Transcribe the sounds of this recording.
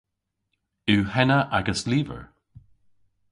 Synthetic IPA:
ʉːhɛnəʔaɡəsliːvə̰ɹ

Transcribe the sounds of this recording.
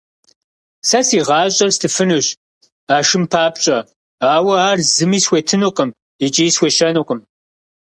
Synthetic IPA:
sɐsiːʁɑːɕʼɐrstʰɨfɨnɨɕ | aːʃɨmpʰaːpɕʼɐ | aːwɐaːrzɨmiːsxʷeːtʰɨnoqʼɐm | it͡ʃʼijsxʷeːʃɐnoqʼəm

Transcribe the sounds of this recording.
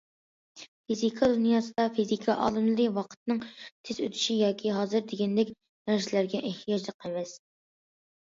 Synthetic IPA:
fizikʰɑd̪unjɑːsɨd̪ɑfizikʰɑʔɑ̰ːlˠɨmlˠɨɾɨwɑqʰə̥t̪nɨŋt̪ʰezø̰t̪ʰy̥ʃijɑːkʲʰiɦɑːzɨɾd̪eɡʲɛnd̪ɛkʲ | mæɾʃɪlæɾɡʲɛʔeht̪ijɑd͡ʒlˠəqʰɛmɛs

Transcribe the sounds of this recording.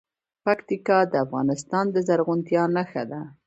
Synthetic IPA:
pakt̪ikɑd̪əafɣɑ̰nɪst̪ɑnd̪əzaɾɣunt̪jɑnaxad̪a

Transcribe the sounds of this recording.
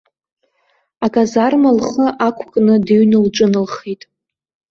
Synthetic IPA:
akʼazarmalχəʔakʷʰkʼnɨdeɥnɨlʈ͡ʂʼɨnɨlχijtʼ

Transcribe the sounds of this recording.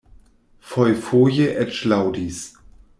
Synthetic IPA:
fɔjfoːjeʔɛt͡ʃlawdis

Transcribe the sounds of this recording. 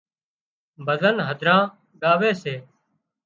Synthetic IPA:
bəzənɦəd̪ʱɾãː | ɡaːʋeːseː

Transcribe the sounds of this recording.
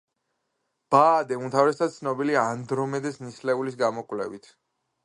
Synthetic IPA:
b̥aːd̪ɛunt̪ʰavɾɛst̪ʰad̪t̪sʰnɔbiliaːnd̪ɾɔmɛd̪ɛsnislɛulis̬ɡamɔkʼwlɛ̰vit̪ʰ

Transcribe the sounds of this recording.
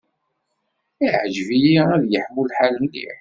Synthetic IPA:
iʕʒvijiæðjəħmulːħaləmlḭħ

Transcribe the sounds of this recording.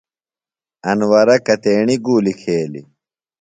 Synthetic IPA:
ɐnwɐɾɐkɐt̪eːɳiɡuːlikʰeːlḭ

